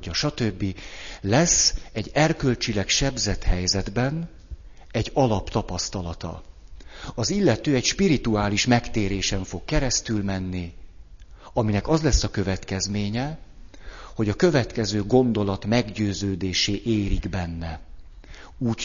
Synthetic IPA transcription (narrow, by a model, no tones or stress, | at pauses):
ɒʃɒt̪øbːilɛsɛɟːɛrkø̞lt͡ʃilɛkʃɛbzɛt̪hɛjzɛd̪bɛn | ɛɟːɒlɒpt̪ɒpɒst̪ɒlɒt̪ɒ̰ | ɒzilːɛt̪øːɛcʃpiɾit̪uaːliʃmɛkt̪eːɾeːʃɛɱfo̞kːɛɾɛst̪ylmɛnːi | ɒminɛkɒzlɛsːɒkø̞vɛt̪kɛzmeːɲɛ | ho̞ɟɒkø̞vɛt̪kɛzøːɡo̞nd̪o̞lɒt̪mɛɡɟøːzøːd̪eːʃeːʔeːɾiɡbɛnːɛ | uː